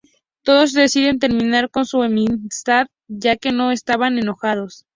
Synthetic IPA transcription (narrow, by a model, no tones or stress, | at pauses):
t̪o̞ðo̞zðe̞siðe̞nt̪e̞ɾmĩnaɾko̞nsuemist̪að | ʝake̞no̞e̞st̪aβane̞no̞xað̞o̞s